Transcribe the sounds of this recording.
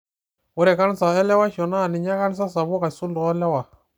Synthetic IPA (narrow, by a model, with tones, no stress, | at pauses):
wɔ˦ɾɛ˨ka˦n˦sa˨ɛ˦lɛ˦wa˦ʃɔ˨na˦˨ni˨ɲa˦ka˦n˦s̬a˦sa˨βu˦ka˨su˦ndɔ˨ɔ˦lɛ˦wa˨